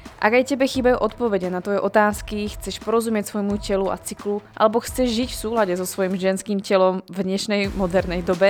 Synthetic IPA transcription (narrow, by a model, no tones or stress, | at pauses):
ʔaɡajcɛbɛxiːbajuʔɔt̪̚pɔvɛɟɛnat̪ʋɔjɛʔɔt̪aːskixt͡sɛʃpɔɾɔzumɪɛcsvɔjɛmucɛlua̰t͡sikluʔa̰lɛbɔxt͡sɛʒʒicfsuːlaɟɛzɔsʋɔjimʒɛnskiːmcɛlɔmvd̪ɲɛʃnɛjmɔd̪ɛɾnɛjd̪ɔbɛ